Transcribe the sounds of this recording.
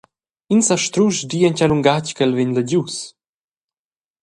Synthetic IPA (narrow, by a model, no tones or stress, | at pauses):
insaʃt̪ɾuʃdiːəncaluŋɡackɛlveɲləɟus